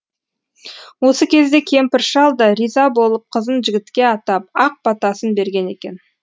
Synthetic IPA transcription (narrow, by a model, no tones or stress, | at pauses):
wo̞səkʲʰe̞zd̪e̞kʲʰe̞mpɪɾʃɑlˠd̪ɑɾijzɑbo̞lˠəp̚qʰəzənʒɪɡʲɪt̪kʲe̞ɑt̪ɑp̚ɑq̚pɑt̪ɑsənbe̞ɾɡʲe̞ne̞kʲe̞n